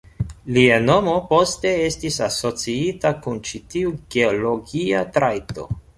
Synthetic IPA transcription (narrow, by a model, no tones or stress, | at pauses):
liano̞mo̞po̞ste̞e̞stisaso̞t͡siitakunt͡ʃitiuɡe̞olo̞ɡiatɾajto̞̰